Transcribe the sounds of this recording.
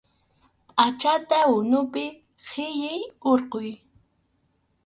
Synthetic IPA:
at͡ʃat̪aʊnʊpɪ | qʰɪjɪjoɾqoj

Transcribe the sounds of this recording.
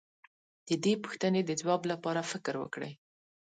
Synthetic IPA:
d̪̥əd̪epu̥xt̪əned̪əzwɑblapɑɾafɪkɾwə̰kɽə̰j

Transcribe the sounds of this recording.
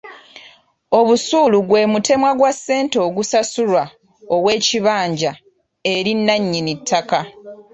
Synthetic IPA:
o̞βusuːluɡwe̞ːmute̞mwaɡwasːe̞ːnto̞ːɡusasuɾwa | o̞we̞ːciβaːɲɟa | e̞ɾinːaɲːinitʰːaka

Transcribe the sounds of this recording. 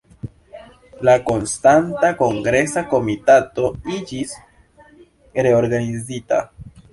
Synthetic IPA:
lako̞nstantako̞ŋɡɾe̞sako̞mitato̞id͡ʒis | ɾe̞o̞ɾɡanizita̰

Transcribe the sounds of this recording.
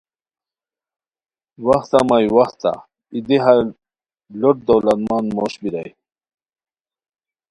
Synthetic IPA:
wɐxt̪amajwaxt̪a̰ | id̪iɦa | loʈ̚d̪owlɐt̪mɑnmoɕbiɾa̰j

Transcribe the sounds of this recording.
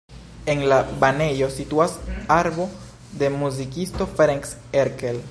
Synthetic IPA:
e̞nlabane̞jo̞situasaɾbo̞ | de̞muzikisto̞fɾeŋks | eɾkel

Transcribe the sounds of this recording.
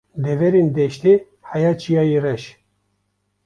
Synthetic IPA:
d̪ɛvɛɾend̪ɛʃt̪i | hɑjɑt͡ʃʰijɑjirɛʃ

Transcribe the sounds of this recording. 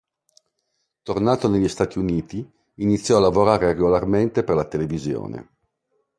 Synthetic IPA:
t̪ornaːt̪oneʎːist̪aːt̪iuniːt̪iː | nit̪sːjɔalːavoɾaːɾereɡolarment̪eperlat̪elevizjo̰ːnḛ

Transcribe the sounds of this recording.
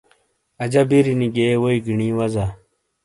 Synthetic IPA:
ɐd͡ʑabiɾiniɡewoiɡiɳĩːwɐza

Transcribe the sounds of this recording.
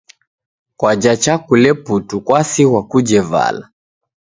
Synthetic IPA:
kwad͡ʒat͡ʃakulɛputukwasiwakud͡ʒɛva̰la

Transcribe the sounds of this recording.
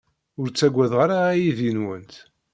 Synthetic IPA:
ʊɾt͡sːæɡʷæðʁaɾaːjiðjənwənt̪

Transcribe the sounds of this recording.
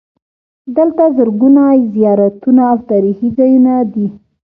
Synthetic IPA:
d̪əlt̪azəɾɡunajzijɑɾat̪unaːwt̪ɑɾihizɑjunad̪i

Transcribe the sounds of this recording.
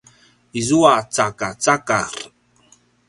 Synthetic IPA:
izuat͡sakat͡sakaɾ

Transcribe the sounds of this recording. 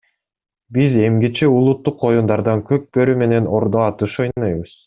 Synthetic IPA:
bize̞mɡit͡ʃeulˠut̪ːuqo̞jund̪ɑɾd̪ɑŋkøk̚bø̞ɾyme̞ne̞no̞ɾd̪oɑt̪ɯʃo̞jnnɑjβɯz̥

